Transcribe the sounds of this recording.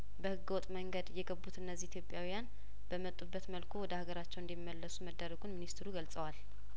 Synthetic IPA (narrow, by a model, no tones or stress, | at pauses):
bəhɨɡːəwɔt̪ʼməŋɡəd̪jɛɡəbːut̪ɨnːəzːihit̪ʰjopʼjawijan | b̥əmət̪ʼːubːət̪məlkʰuwɔd̪əhaɡəɾat͡ʃːɛwɨnd̪imːəlːəsuməd̪ːəɾəɡunminist̪ʰɾuɡəlsʼəwal